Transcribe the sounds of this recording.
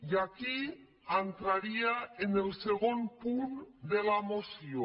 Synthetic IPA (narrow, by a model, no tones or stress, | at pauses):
jaki | ant̪ɾaɾiaenelseɣonpund̪elamosjo